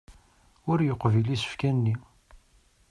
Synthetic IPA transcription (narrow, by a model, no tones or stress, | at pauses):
ʊɾjoqːvilisə̥fkænːi